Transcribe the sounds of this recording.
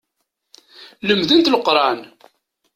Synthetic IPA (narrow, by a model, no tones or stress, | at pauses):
ləmðənt̪ləqɾˤɑn